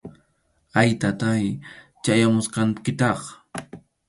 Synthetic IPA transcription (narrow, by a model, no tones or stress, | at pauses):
ajt̪at̪ajt͡ʃajamʊsqɑŋkɪt̪ɑχ